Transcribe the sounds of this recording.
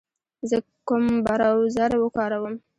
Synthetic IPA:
zə | kʊmbaɾawzaɾwəkɑɾawəm

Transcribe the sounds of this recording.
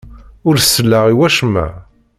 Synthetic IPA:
ʊɾsːəlːaʁiwæʃmæ̰

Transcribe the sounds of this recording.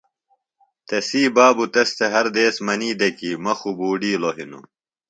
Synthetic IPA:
t̪esiːbaːbut̪ɐst̪eɦɐɾd̪eːsmɐniːd̪ekiːmɐxubuːɖiːloɦinṵ

